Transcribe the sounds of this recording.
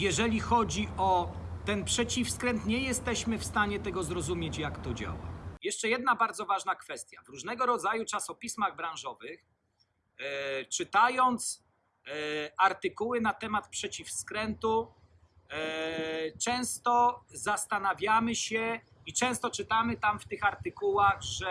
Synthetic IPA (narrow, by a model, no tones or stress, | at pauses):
jɛʐɛlʲixɔd͡ʑiʔɔt̪ɛnpʂɛt͡ɕifskɾɛnt̪ɲɛjɛst̪ɛɕmɘfst̪aɲɛt̪ɛɡɔzɾɔzumʲjet͡ɕjakt̪ɔd͡ʑa̰wa̰jɛʂt͡ʂɛjɛd̪nabaɾd̪zɔvaʐnakfɛst̪ʲja̰vɾuʐnɛɡɔɾɔd̪zajut͡ʂasɔpʲismaɣbɾãw̃ʐɔvɘx | t͡ʂɘt̪ajɔnt̪s | aɾt̪ɘkuwɘnat̪ɛmat̪pʂɛt͡ɕifskɾɛnt̪u | t͡ʂɛ̃w̃st̪ɔzast̪anavʲjamɘɕɛ | it͡ʂɛ̃w̃st̪ɔt͡ʂɘt̪amɘt̪amft̪ɘxaɾt̪ɘkuwaɣʐɛ